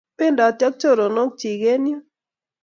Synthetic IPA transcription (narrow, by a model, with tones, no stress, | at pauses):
pɪ˦ndɔ˨t͡ʃjɔ˦k̚t͡ʃo˦˨ɾo˨no˦k̚t͡ʃi˨ɡe˦ni˦o˦